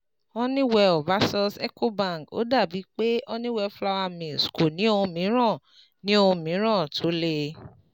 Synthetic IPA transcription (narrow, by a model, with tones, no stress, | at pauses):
ɔ˧nĩ˦wɛ˧ɔ˨va˨˦sɔ˧sɛ˦kʰo˦bã˦˨ko̰˦da˦˨bi˨˦k͡pe˦ɔ˧nĩ˦wɛ˧fla˧wa˧mĩ˨su̥˨ko˨nĩ˨˦o˧ũ˧mĩ˨˦ɾ̃ã˦˨ | nĩ˨˦o˧ũ˧mĩ˨˦ɾ̃ã˦˨tʰo˨˦le˧